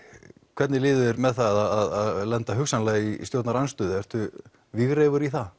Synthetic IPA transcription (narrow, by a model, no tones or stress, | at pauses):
kʰv̥ɛɾt̪nɪlɪːðʏɛɾmɛðθaðaaðaðlɛnt̪aɦʏksanlɛːɣḭst̪jowt̪naɾanst̪ʏːðɪɛr̥t̪ʏ | vɪɣreːjvʏɾiθa